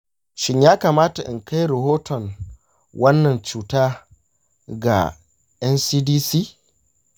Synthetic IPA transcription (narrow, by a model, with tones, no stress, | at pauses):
ʃɪ˦ɲjaː˦kaː˨maː˦ta˨ʔɪ̰˨ŋkʰa˦jɾɐ˨ɦoː˦tʰɔ˨ŋ | wʔɐ˦nːɐ˨nt͡ʃuː˨taː˦ | ɡa̰˨ | ʔɛ˦nsiː˦diː˦siː˦